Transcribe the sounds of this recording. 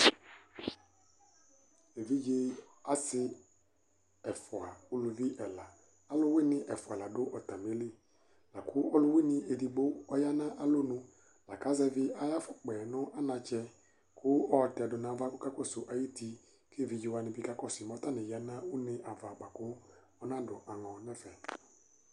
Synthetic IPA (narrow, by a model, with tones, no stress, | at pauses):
e˨vi˦d͡ʒe˦ | a˦sɪ˦ | ɛ˨fʊ˨a˨ʊ˦lʊ˨vi˦ʔɛ˨la˨ | a˦lʊ˦wɪ˦nɪ̃˨ʔɛ˨fʊ˨a˨la˨dʊ˦ʔɔ˨ta˨m˨e˨˦le˦˨ | la˨kʰʊ˦ʔɔ˦lʊ˦wɪ˦nɪ̃˦ʔe˨di˨ɡ͡bo˦ɔ˦ja˦nã˦ʔa˦lo˦nʊ̃˦ | la˨ka˨˦zɛ˦vɪ˦a˨ja˦fʊ˨k͡pɛ˨nʊ̃˦ʔa˦nã˧t͡ʃɛ˦ | kʰʊ˦ɔ˦˨tɛ˨dʊ˨nã˨˦va˦kʊ˦ka˦kɔ˦˨sʊ˨ʔa˨ji˦ti˨ | ke˦˨vɪ˨d͡ʒɪ˦wa˨nɪ̃˨bi˦ka˦kɔ˦˨si˨mɔ˨˦ta˦˨nɪ̃˨ja˨nã˦ʊ˦nɪ̃˦ʔa˨va˨ɡ͡ba˨kʊ˦ | ɔ˦nã˦dʊ˨ʔa˨ŋɔ̃˨nɛ˦fɛ˨